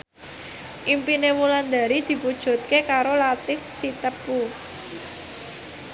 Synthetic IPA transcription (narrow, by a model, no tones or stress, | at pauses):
ʔimpinemuland̪a̤ɾid̪̥i̤fud̥ʒ̥ṳt̪̚kekaɾolat̪ɪfsit̪əpu